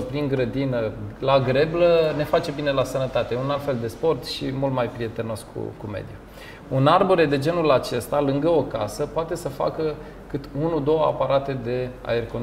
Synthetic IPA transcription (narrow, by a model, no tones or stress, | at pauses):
pɾiŋɡɾəd̪inəlaɡɾe̞bləne̞fat͡ʃe̞bine̞lasənət̪at̪eunalt̪fe̞ld̪e̞spo̞rt̪ʃimult̪majpɾie̞t̪e̞no̞skʰṵkumḛd̪ju | unarboɾe̞d̪e̞d͡ʒe̞nulat͡ʃe̞st̪alɨŋɡəo̞kasəpoat̪e̞səfa̰kə | kɨt̪unud̪o̞wəa̰paɾat̪e̞d̪e̞a̰e̞rkon